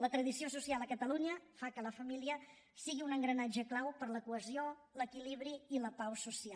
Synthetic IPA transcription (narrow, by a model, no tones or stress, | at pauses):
lət̪ɾəðisiosusialˠəkət̪əluɲəfakələfəmiliə | siɣiunəŋɡɾənad͡ʒəklawpəɾləkuəzio | ləkiliβɾiːləpawsusia